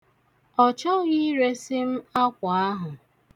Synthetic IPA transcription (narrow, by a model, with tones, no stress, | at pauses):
ɔ˨t͡ʃɔ˦ɣɪ˦ɾe˦sɪ˦m̩˦a˦kʷa˨a˦ɦʊ˨